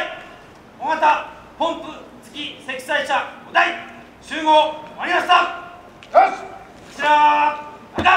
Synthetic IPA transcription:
omat̪a | põ̞mpɯt͡sɨ̥kʲise̞kʲi̥saiɕaod̪ai | ɕɨːɡo̞ːmaɾʲimaɕt̪a | kot͡ɕiɾa | aa

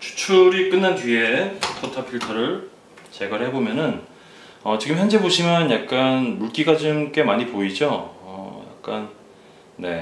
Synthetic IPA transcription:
t͡ɕʰu̥t͡ɕʰuɾik͈ɯnːantɥie̞tʰotʰapʰiɭtʰʌɾɯɭ | t͡ɕe̞ɡʌɭhe̞bomjʌnɯn | ʌt͡ɕiɡɯmjʌnd͡ʑe̞boɕʰimjʌnjak̚k͈anmuɭk͈iɡad͡ʑɯmk͈e̞maɲipoid͡ʑoʌ̰ja̰k̚k͈an | ne̞̰

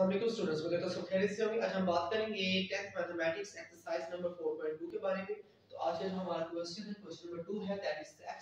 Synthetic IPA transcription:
ɐmeːkusʈuːɖə̃ɳʈskẽd̪eːt̪osokʰeːɾɪseɦoːɡiʔɐt͡ʃʰaɦɐmbaːt̪kɐɾẽːŋɡeʈɛsʈmɛːt̪ʰemɛːʈɪksɛksəɾsaːɪznɐ̃mbəɾfoːɾpɔ̃ɪ̃ɳʈ̚ɖuːkebaːɾemẽ | t̪oʔaːd͡ʒɐd͡ʒɦɐmaːɾakwɛst͡ʃə̃nkwɛst͡ʃə̃nbẽɖuːɦɛd̪ɛːʈɪsɛː

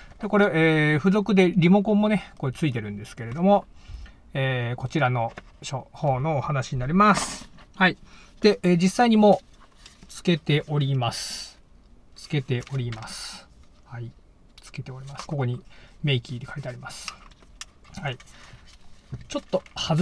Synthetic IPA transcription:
d̪̥eko̞ɾe̞eːɸɯ̟zo̞kɯ̟d̪e̞ɾʲimo̞kõ̞mːo̞ne̞ko̞et͡sɨit̪e̞ɾɯ̟̃nd̪e̞sɨ̥ke̞ɾe̞d̪o̞mo̞ | eːko̞t͡ɕiɾano̞ɕoho̞ːno̞ːhanaɕiɲ̟inaɾʲimasɨ̥hai | d̪̥e̞ʔeːd͡ʑisːaiɲ̟imo̞ | t͡sɨ̥ke̞t̪e̞ʔo̞ɾʲimasɨ̥ | t͡sɨ̥ke̞t̪e̞ʔo̞ɾʲimasɨ̥ | hai | t͡sɨ̥ke̞t̪e̞o̞ɾʲimasɨ̥ko̞ko̞ɲ̟ime̞ikʲiːd̪e̞kait̪eaɾʲimasɨ̥ | hai | t͡ɕo̞t̪ːo̞haz

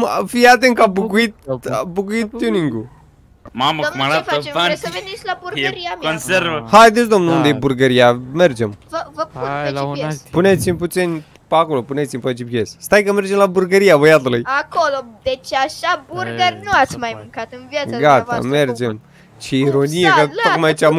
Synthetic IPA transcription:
mfiat̪̬eŋkabukuit̪̚abukuit̪̚ːuniŋɡu | mamfat͡ʃeasəvenisʲlaburɡɾijaonseɾvəhajd̪et͡ʃd̪o̞mnuund̪ejeburɡəɾijame̞rd͡ʒemvəvəpuspunet̪simʲput̪sinʲ | pako̞lopunet̪ʲimʲpat͡ʃipjesst̪ajkəme̞rd͡ʒemlaburɡəɾijabəjat̪ulujakolod̪et͡ʃaʃaburɡərʲnuat̪sʲmajmɨŋkat̪ɨnvjat̪aɡat̪a̰me̞rd͡ʒem | t͡ʃeiɾonijekəokmajait͡ʃam

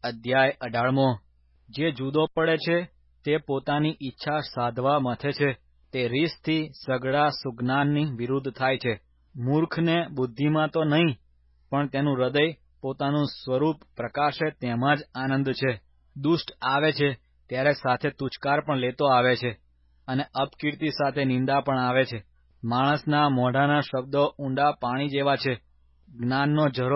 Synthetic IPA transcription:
əd̪ʱjajəɖaɭmo | d͡ʒed͡ʒud̪opəɽet͡ʃʰe | t̪epot̪aniʔitːʃʰasad̪ʱʋamət̪ʰet͡ʃʰe | t̪eɾist̪ʰisəɡɭasuɡnanːiʋiɾud̪ʱt̪ʰajt͡ʃʰe | muɾkʰnebʊd̪ʱːimãt̪onəɦĩ | pəɳt̪enũɾəd̪əj | pot̪anũsʋəɾupːɾəkaʃet̪emãd͡ʒanə̃nd̪t͡ʃʰe | d̪usʈaʋet͡ʃʰe | t̪jaɾesat̪ʰet̪ut͡ʃkaɾpəɳlet̪oaʋet͡ʃʰe | əneəpkiɾt̪isat̪ʰenɪ̃nd̪apəɳaʋet͡ʃʰe | maɭ̃əsnamɔɖanaʃəb̚d̪oũɳɖapaɽ̃id͡ʒeʋat͡ʃʰe | ɡnanːod͡ʒəɾ

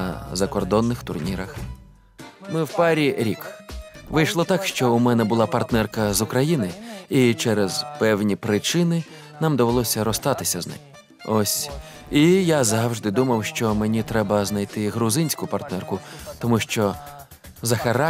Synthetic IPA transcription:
zɐkɔrd̪ɔnːɪxt̪ʊrnʲiɾɐx | mɪwpɑɾʲiɾʲikʋɪjʃlˠɔt̪ɑkʃt͡ʃɔumɛnɛbʊlˠapɐrt̪nɛrkɐzʊkɾɐjinɪit͡ʃɛɾɛzpɛwnʲipɾɪt͡ʃɪnɪ | nɑmd̪ɔʋelˠɔsʲɐɾɔst̪ɑt̪ɪsʲɐznɪ̰m | ɔsʲ | ijazɑwʒd̪ɪd̪umɐwʃt͡ʃɔmenʲit̪ɾɛbɐznɐjt̪ɪɦɾʊzɪnʲsʲkʊpɐrt̪nɛrkʊt̪ɔmuʃt͡ʃɔ | zɐxeɾa

